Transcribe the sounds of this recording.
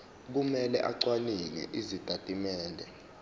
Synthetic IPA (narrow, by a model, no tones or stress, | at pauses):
k̬umɛlɛ̰ʔaǀwaniŋɛ̰ʔizitʼatʼimɛːndʱɛ